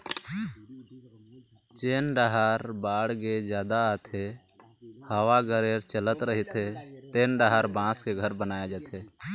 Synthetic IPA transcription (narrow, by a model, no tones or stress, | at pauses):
t͡ʃeːnɖəɦaːɾbaːɽɡed͡ʒjaːd̪at̪ʰe | haːʋaɡəɾeːɾt͡ʃələt̪ɾəɦit̪ʰet̪eːnɖaɦaːɾbãːskeɡʱəɾbənaːjad͡ʒaːt̪ʰeː